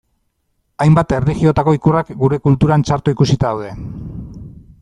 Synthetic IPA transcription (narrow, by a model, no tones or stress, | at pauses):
ajmbat̪ereɣio̞t̪ako̞ikurakɡuɾe̞kult̪uɾant͡ʃaɾt̪uikusit̪aðawðe̞